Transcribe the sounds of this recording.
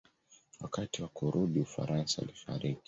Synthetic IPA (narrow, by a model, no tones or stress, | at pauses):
wakatiwakuɾuɗiufa̰ɾʔansa̰lifa̰ɾiki̥